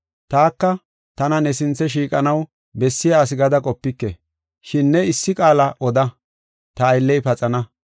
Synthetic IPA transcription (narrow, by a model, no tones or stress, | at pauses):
t̪aːkːɐ | t̪ɐnɐnɛsɪnt͡sːɛʃ̬iːkʼɐnɐw | bɛsːɪjaːs̬ɪɡɐd̪ɐkʼɔpːɪkːɛ | ʃɪnːɛɪsːɪkʼaːlɐʔɔd̪ɐ | t̪ɐːjlːɛjpɐt͡sʼɐnɐ